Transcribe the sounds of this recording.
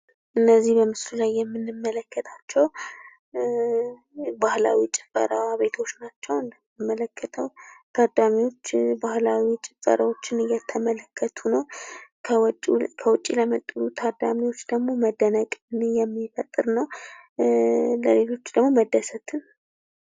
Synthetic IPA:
ʔɨnːəzːihbəmɨslulajːɛmːɨnːɨmːələkːət̪ʰat͡ʃːɛw | bahla̰wit͡ʃʼɪfʼə̰ɾawaβe̞t̪ʰo̞t͡ʃːnat͡ʃːɛwɨnd̪əmmːələkʰːət̪ʰəwt̪ʰad̪amiwo̞t͡ʃːbahlawit͡ʃʼɪfʼə̰ɾawo̞t͡ʃːɪnɨjɛt̪ʰəmələkʰːət̪ʰunəwkʰəwʼkʰəwɔt͡ʃʼiləmət̪ʼːɨɾut̪ʰad̪amiwo̞t͡ʃːd̪əɡmo̞məd̪ənəkʼnjɛmːifət̪ʼːɨɾnəw | ləle̞lo̞t͡ʃːd̪əɡmoməd̪əsət̪ʰɨn

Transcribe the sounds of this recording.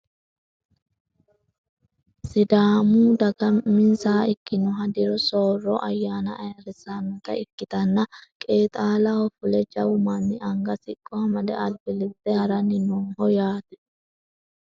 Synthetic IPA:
sɪd̪aːmuːd̪ɐɡɐmɪnsaːɪkːɪnɔɦɐd̪ɪɾɔsoːrɔʔɐjːaːnɐʔːjɐɾɪsaːmɪk̪ɐɪkːɪt̪ɐnːɐkʼeːt̪ʼaːlɐhɔfʊlɛd͡ʒɐwʊmɐnːɪʔɐŋɡɐsɪkʼːɔhɐmɐd̪ɛ̰ʔɐlbɪlɪt̪ːɛhɐɾɐnɪnɔnhɔjaːd̪ɛ

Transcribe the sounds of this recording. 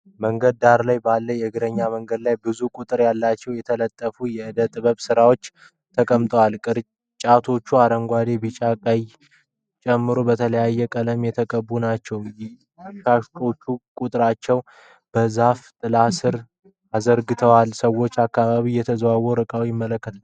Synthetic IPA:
məŋɡəd̪̚d̪aɾlajbalːəjɛɨɡɨɾəɲːaməŋɡəd̪lajbɨzukʼut̪ʼɨɾjalːat͡ʃːɛwjɛt̪ʰələt̪ʼːəfujɛɨd̪ət̪ʼɨβəβsɨɾawo̞t͡ʃː | t̪ʰəkʼəmt̪ʼəwalkʼɨɾ | t͡ʃʼat̪ʰo̞t͡ʃːuaɾəŋɡʷad̪e̞bɨt͡ʃʼakʼaj | t͡ʃʼɛmːɨɾobət̪ʰələjajːɛkʼələmjɛt̪ʰəkʼəbːunat͡ʃːɛwj | ʃao̞t͡ʃːukʼut̪ʼɨɾat͡ʃːɛw | b̥əzaft̪ʼɨlasɨɾ | azəɾɡɨt̪ʰəwalsəwːo̞t͡ʃːakːaβaβijɛt̪ʰəzwawoɾɨkʼawijɪmːələkːət̪ʰ

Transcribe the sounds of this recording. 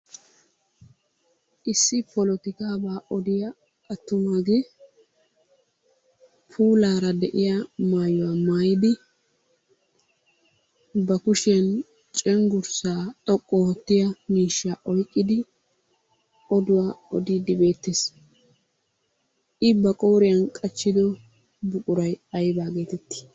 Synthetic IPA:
ʔɪsːɪpɔlɔt̪ɪkaːbaːʔɔd̪ɪjɐ | ʔɐt̪ːʊmaːɡe | pʰuːlaːɾɐd̪ɛʔɪjamaːjʊwamaːjɪd̪ɪ | bɐkʊʃɛn | t͡ʃʼɛŋɡʊɾsaːt̪ʼɔkʼːɔɔt̪ːɪjɐmiːʃːaːʔɔjkʼːɪd̪ɪ | ɔd̪ʊwaːɔd̪id̪ɪbe̞ːt̪ːes | ʔɪbɐkʼoːɾɪjɐnkʼɐt͡ʃːɪd̪ɔ | bʊkʼʊɾɐjɐjbaːɡe̞ːt̪ɛt̪ːɪ̥

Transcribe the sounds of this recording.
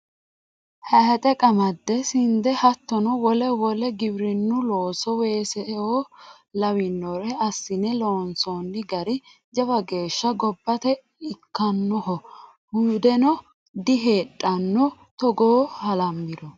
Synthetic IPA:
hɐhɐt̪ʼɛkʼɐmɐd̪ːɛsɪnd̪ɛhɐt̪ːɔnɔwɔlɛwɔlɛɡɪbɾɪnːʊloːsɔweːsɛo | lɐwɪnːɔɾɛɐsːɪnɛloːnsɔnːɪɡɐɾɪ | d͡ʒɐbɐɡe̞ːʃːɐɡɔbːɐt̪ɛ | ɪkːɐnːɔɦɔ | huːd̪ɛnɔ | d̪ɪɦeːɗʼɐnːɔ | t̪ɔɡoːhɐlɐmːɪd̪ɔ

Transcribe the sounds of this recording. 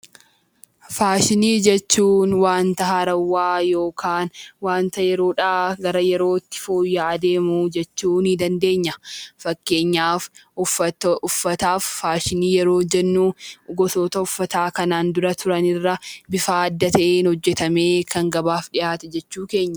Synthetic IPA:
faːʃɪniːd͡ʒɛt͡ʃːuːnwaːnt̪ɐhɐɾɐwːaːjo̞ːkʰaːnwaːnt̪ɐjɛɾo̞ːᶑaːɡɐɾɐjɛɾo̞ːɪt̪ːɪ̥foːjːaːd̪e̞ːmuːd͡ʒɛt͡ʃːuːnhɪd̪ɐnd̪e̞ːɲːɐfɐkːe̞ːɲːaːfʊɐʊfːɐt̪aːfːaːʃɪniːjɛɾo̞ːd͡ʒɛnːuːɡɔt̪o̞ːt̪ɐʊfːɐt̪aːkɐnaːnd̪ʊɾɐt̪ʰʊɾɐnɪrːɐbɪfaːɐd̪ːɐt̪ɐʔeːnhɔd͡ʒːɛt̪ɐme̞ːkʰɐŋɡɐbaːfᶑɪʔaːt̪ɛd͡ʒɛt͡ʃːuːke̞ːɲːɐ

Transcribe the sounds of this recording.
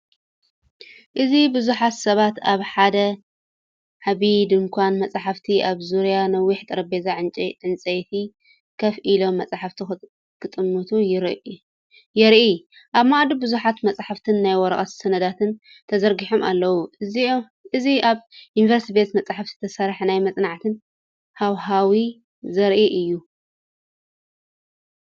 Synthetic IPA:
ʔɨzibɨzuħat̪sɐβat̪aβħad̪ɐ | ʕaβid̪ɨnkʷʰanmɐt͡sʼaħaft̪ʰiʔaβzuɾijanɐwːiħt̪ʼɨɾɐbezaʕɨnt͡ʃʼʕɨnt͡sʼɐjt̪ʰi | kʰɐfʔilo̞mːɐt͡sʼaħaft̪ʰi | kʰɨt̪ʼɨmːut̪ʰujɾ | jɛɾʔij | ʔaβmaʔd̪ubɨzuħat̪mɐt͡sʼaħaft̪ʰɨnːajwɔɾɐχʼɐt̪sɐnɐd̪at̪ʰɨn | t̪ʰɐzɐɾɡiħo̞ma̰lːɐwu | ɨziaβjunvɐɾst̪ibet̪mɐt͡sʼaħaft̪i̥t̪ʰɐsɐɾħnajmɐt͡sʼnaʕt̪ʰɨn | hawɦawi | zɐɾʔiʔɨjːu

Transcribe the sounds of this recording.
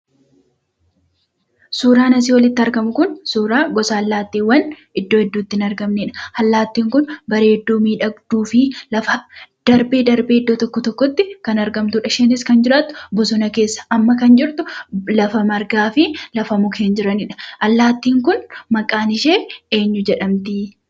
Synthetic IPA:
suːɾaːnɐs̬iːwɐlɪt̪ːɪɐɾɡɐmʊkʊnsuːɾaːɡɔsaːlːaːt̪ːiːwːɐn | ɪd̪ːoːɛd̪ːuːt̪ːɪnɐɾɡɐmneᶑɐ̥hɐlːaːt̪ːiːŋkʊnbɐɾe̞ːd̪ːuːmiːᶑɐɡd̪̥uːfɪlɐfɐd̪̥ɐɾbeːd̪ɐɾbeːɪd̪ːoːt̪ɔkːɔt̪ɔkːɔt̪ːɪkɐnɐɾɡɐmt̪uᶑɐʃɛnɪskɐnd͡ʒɪɾaːt̪ːʊ̥bɔsʊnɐke̞ːsːɐ̥ʔɐmːɐkɐnd͡ʒɪɾt̪ʊlɐfɐmɐɾɡaːfɪlɐfɐmʊkʰeːnd͡ʒɪɾɐnɪᶑɐ̥ʔɐlːaːt̪ːiːŋkʊnmɐkʼaːnɪʃe̞ːe̞ːɲːʊd͡ʒɛᶑɐmt̪i

